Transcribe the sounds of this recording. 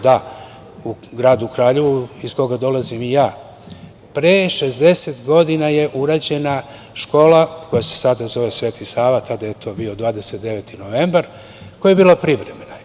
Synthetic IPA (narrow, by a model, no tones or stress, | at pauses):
d̪a | uɡɾaːd̪ukɾaːʎeʋuisko̞ɡad̪o̞lˠazimijaː | pɾeʃezd̪e̞set̪ɡo̞d̪inaje̞ʔuɾaːd͡ʑe̞na | ʃko̞ːlako̞jase̥sad̪azo̞ʋesʋeːt̪isaːʋat̪ʰad̪ajet̪ʰo̞bio̞d̪vʋaːd̪e̞set̪̚d̪e̞ʋet̪inoʋembaɾ | kojajebiːlˠapɾiʋɾe̞me̞na